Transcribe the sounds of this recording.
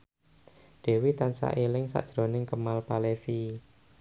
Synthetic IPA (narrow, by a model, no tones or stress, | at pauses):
d̥e̤wit̪ansa̰ʔelɪŋsa̰ʔd̥ʒ̥ɾo̤nɪŋkəmalpalefi